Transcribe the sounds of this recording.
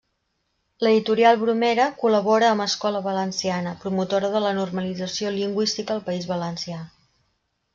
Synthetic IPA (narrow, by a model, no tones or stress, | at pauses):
ləðit̪uɾialˠβɾumeɾəkuləβoɾəːməskɔləβələnsianəpɾumut̪oɾəðələnurməlid͡zəsioliŋɡwist̪ikəːlˠpəizβələnsia